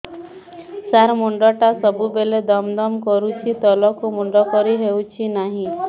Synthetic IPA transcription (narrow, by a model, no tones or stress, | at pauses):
saɾmuɳɖɔʈasɔbubeled̪ɔmd̪ɔmkɔɾut͡ʃʰit̪ɔlɔkumuɳɖɔkɔɾiɦewt͡ʃʰinaɦĩ